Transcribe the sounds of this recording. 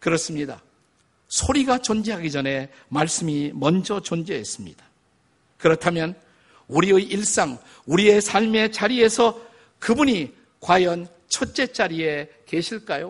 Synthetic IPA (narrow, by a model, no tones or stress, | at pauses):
kɯɾʌs͈ɯmɲida̰ | sʰoɾiɡat͡ɕond͡ʑeɦaɡid͡ʑʌne̞ | maɭs͈ɯmimʌnd͡ʑʌt͡ɕond͡ʑeɦes͈ɯmɲḭd̥ḁ | kɯɾʌtʰamjʌn | uɾiɯiɭs͈aŋ | uɾie̞sʰaʎme̞t͡ɕaɾie̞sʰʌ | kɯbuɲi | kwajʌn | t͡ɕʰot͡ɕ͈e̞t͡ɕ͈aɾie̞ | ke̞ɕʰiɭk͈ajo